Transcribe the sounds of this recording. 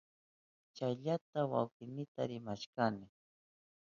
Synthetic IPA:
t͡ʃajʎat̪awa̰wkɪnɪt̪aɾɪmaʃkanɪ

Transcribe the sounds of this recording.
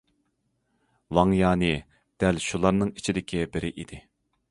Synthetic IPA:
wɑŋjɑːnɨ | d̪̥ɛlʃulˠɑɾnɨŋit͡ʃʰid̪ɪkʲʰibɪɾɪʔid̪̥ɪ

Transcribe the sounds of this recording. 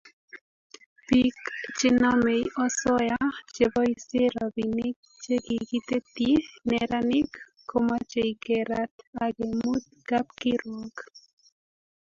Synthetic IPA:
pikt͡ʃenamejosojat͡ʃeβojseɾabinik̚t͡ʃekikit̪et̪ineɾanikː | omat͡ʃeikeɾat̪aɡemut̪̚kap̚kiɾwak

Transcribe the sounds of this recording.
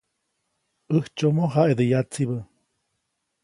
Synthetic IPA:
ʔəht͡ʃomoɦaʔed̪əjat͡siβə

